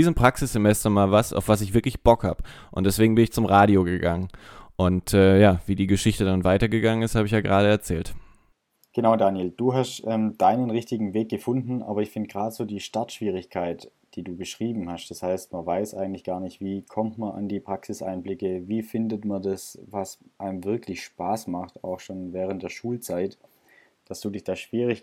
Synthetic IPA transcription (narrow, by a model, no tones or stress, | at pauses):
d̥iːzəmpʁ̥aksɪsz̥emɛstɐmaːlvasa̰ʊfv̥as̬ɪçv̥ɪɐklɪçb̥ɔkha̰ːbə | ʔʊ̰ntd̥ɛsv̥eːɡŋ̩bɪnɪçt͡sʊmʁaːɾioɡəɡaŋənʔʊntɛːjaːviːdiːɡəʃɪçtədanvaɪtɐɡəɡaŋənɪsthaːbəɪçjaːɡəʁaːɾəɛɐt͡sɛ̰ːlt | ɡ̥ənaʊdaːnjeld̥uːɦastʔɛːmd̥aɪnənʁɪçtɪɡŋ̩veːk̚ɡ̥əfʊndn̩ʔa̰ːbɐɪçfɪndɡ̥ʁaːdəz̥oːdiːʃtaɐtʃv̥iːʁ̞ɪçkʰaɪtd̥iːduːɡəʃʁ̥iːbm̩hastd̥ashaɪstmanvaɪsʔa̰ɪɡŋ̩tlɪçɡ̥aːɐnlɪçtv̥iːkʰɔmtmɐnʔɪ̰ndiːpʁ̥aksɪsʔa̰ɪnblɪkəviːfɪndətmandasvasʔaɪmvɪɐklɪçʃpaːsmaχta̰ʊxʃoːnvɛːʁ̞ənt̚d̥eːɐʃuːlt͡saɪt | d̥asd̥uːdɪçd̥aːʃv̥iːʁ̞ɪç